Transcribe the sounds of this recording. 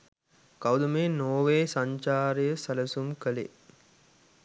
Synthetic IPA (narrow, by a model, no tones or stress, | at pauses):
kawd̪umeːnoːʋeːsaɲt͡ʃaːɾəjəsæləsumkəlḛ